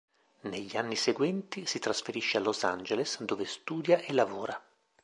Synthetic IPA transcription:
neʎːianːiseɡwɛnt̪isit̪ɾasfeɾiʃːealːozand͡ʒelesd̪oːvest̪uːd̪jaʔelːavoːɾa

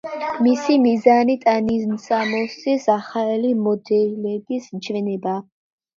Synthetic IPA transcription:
misimizanit̪ʼaniznsamɔsisaχaɛlimɔd̪ɛlɛɡist͡ʃʰvɛnɛba

